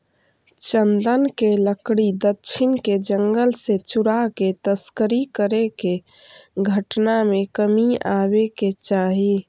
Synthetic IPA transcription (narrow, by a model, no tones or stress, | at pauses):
t͡ʃənd̪ənkeləkɽid̪ətːʃʰɪnked͡ʒəŋɡəlset͡ʃuɾaket̪əskəɾikəɾeke | ɡʱəʈnamekəmiabeket͡ʃaɦi